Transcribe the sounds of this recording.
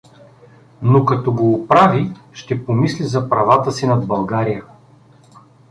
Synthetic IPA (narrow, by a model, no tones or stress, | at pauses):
nokɐt̪oɡoːpɾavi | ʃt̪ɛpomislizɐpɾɐvat̪əsinɐd̪bɐlˠɡaɾijə